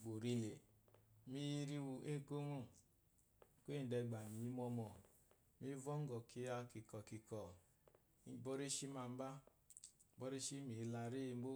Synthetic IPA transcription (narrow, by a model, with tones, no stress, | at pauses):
bo˨ɾi˧le˨mi˦ji˦ɾi˦wu˧ʔe˦˨ko˦ŋo˦˨ | kʷe˦˨n̩˨dɛ˧ɡ͡ba˨m˨i˦mɔ˧mɔ˨ | mi˦vɔ˦ŋ̩˦ɡɔ˨ki˧ja˧ki˨kɔ˨ki˨kɔ˨˦ | bɔ˦ɾe˦ʃi˦ma˧m̩˦ba˦ | bɔ˦ɾe˦ʃi˦mi˨˦la˧ɾi˦˧m̩˦bo˦